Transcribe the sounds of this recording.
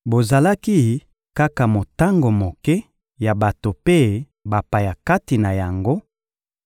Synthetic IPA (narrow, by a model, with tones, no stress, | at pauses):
bo˨za˨la˦ki˦ | ka˦ka˨mo˨ta˦ŋɡo˨mo˨kɛ˦ | ja˨ba˨to˨pe˦ | ba˨pa˨ja˨ka˦ti˨na˨ja˨ŋɡo˦